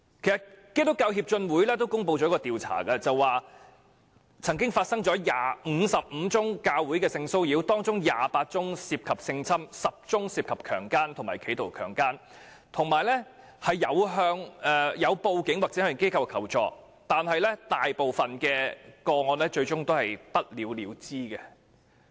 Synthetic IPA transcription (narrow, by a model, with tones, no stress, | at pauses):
kʰe˨˩jsɐ˨tke˥t̪ʊ˥kːaː˧whiː˧p̚t͡ʃɵ˧nwuː˨˥jlɛː˥t̪o˥wkʊ˥ŋp̬o˧wt͡ɕɔː˨˧˥kːɔ˧t̪iː˨wt͡sʰa̰ː˨˩kɐ˧t͡sɐ˨waː˨ | t͡sʰɐ˨˩ŋk̬ɪ˥ŋfaː˧t̚sɐ˥ŋt͡ʃɔː˨˥jaː˨˩m̩˨˧sɐ˨p̚m̩ː˨˧t͡sʊ˥ŋkaː˧wuː˨˥jkɛː˧sɪ˧ŋso˥wjiː˨˥wt̪ɔː˥ŋt͡sʊ˥ŋjaː˨paː˧t̚t͡sʊ˥ŋsiː˧p̚kʰɐ˨p̚sɪ˧ŋt͡sʰɐ˥msɐ˨p̚t͡sʊ˥ŋsiː˧p̚kʰɐ˨p̚kʰœː˨˩ŋkaː˥nt̪ʰʊ˨˩ŋmaː˨˩jkʰe˨˥jt̪o˨˩wkʰœː˨˩ŋkaː˥n | t̪ʰʊ˨˩ŋmaː˨˩jlɛ˥ | hɐ˨jːɐ˨˧wɦœː˧ŋɛ˨jɐ˨˧wpo˧wkɪ˨˥ŋwaː˨k̚t͡sɛː˨˦hœ˨˧˩ke˥jkʰɐ˧wkʰɐ˨˩wt͡ʃɔ̰ː˨˧k̚ | t̪aː˨nhɐ˨jlɛ˥t̪aː˨jpo˨wfɐ˨nkɛː˧kɔː˧ŋɔː˧nlɛ˥t͡ʃɵ˧ɥt͡sʊ˥ŋt̪o˥whɐ˨jpɐ˥t̚liː˨˥wliː˨˧wt͡siː˥kɐ˧